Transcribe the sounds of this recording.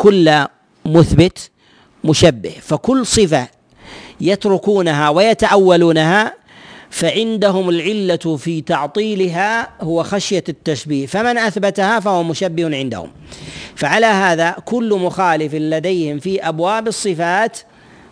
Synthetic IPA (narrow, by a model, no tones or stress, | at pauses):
kʊlːa | mʊθbɪt̪ | mʊʃabːɪhfakʊlːsˤɨfa | jat̪ɾʊkuːnaɦawɪjat̪aʕawːaluːnaɦa | faʕɪnd̪aɦʊmɪlʕɪlːafiːt̪ɑʕt̪ˤiːlɪɦahʊwaxaʃjat̪ːaʃbiːhfamɪnʔaθbat̪ahafahʊwamʊʃabːɪhnʕɪnd̪a̰hʊ̰mfaʕalaɦaːðakʊlːmʊxaːlɪfɪnlad̪ajhɪmfiʔabwaːbɨsˤːɨfaːt̪